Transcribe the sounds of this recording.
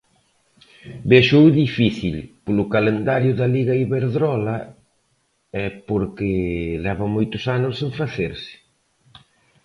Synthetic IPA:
beʃowðifiθilpolʊkalend̪aɾjʊðɐliɣɐiβeɾðɾɔlɐ | ɛpoɾkɪlɛβɐmojt̪ʊsanʊsẽɱfaθeɾsɪ̥

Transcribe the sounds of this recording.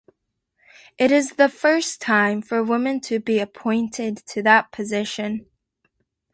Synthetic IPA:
ʔɨɾɪzðəfɜ˞stʰãɪ̃ɱfə˞wɪ̃mɨ̃ntʰɨbiɨpʰɔ̃ɪ̃ntʰɪd̚tʰɨðət̚pʰɨzɪʃɨ̃n

